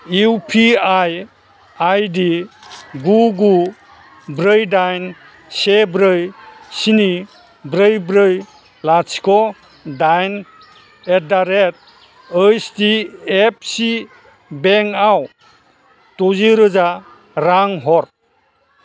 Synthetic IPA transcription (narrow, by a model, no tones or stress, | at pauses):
iwpʰiaj | ajdi | ɡuɡu | bɾɯjdajn | sebɾɯjsini | bɾɯjbɾɯj | laskʰɔ | dajn | edaɾet̚ | ɯstiep̚ʰsi | beŋaw | tɔziɾɯza | ɾaŋɦɔɾ